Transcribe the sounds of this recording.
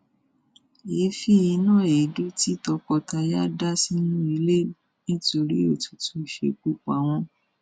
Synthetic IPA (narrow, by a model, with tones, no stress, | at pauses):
e˨˦fi˦i˧˦nãː˦˨e˨du˦ti˦tɔ˧kɔ˧ta˧ja˦da˦si˦nũ˦i˧le˦˨ | nĩ˦to˧ɾi˦o˦˨tu˧tũ˦˨ʃḛ˧k͡pu˦k͡pa˨˦w̃ɔ̃˧˦